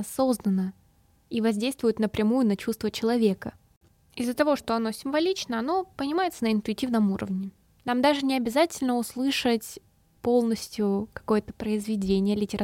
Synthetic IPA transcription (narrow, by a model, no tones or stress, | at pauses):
ɐso̞znənə | ivɐzʲdʲejst̪vʊjɪʊt̪nəpɾʲɪmujʊnɐt͡ɕust̪vət͡ɕɪlˠɐvʲe̞kə | ɪzːət̪ɐvo̞ʂt̪o̞ɐno̞sʲɪmvɐlʲit͡ɕnəɐno̞pənʲɪmajɪt̪sənəɪnt̪ʊɪtʲivnəmuɾə̰vnʲɪ | namd̪aʐɨnʲɪɐbʲɪzatʲɪlʲnəʊslˠɨʂətʲ | po̞lˠnəsʲtʲjʊkɐ̥ko̞jət̪ə̥pɾəɪzvʲɪdʲenʲɪjəlʲɪtʲɪɾɐ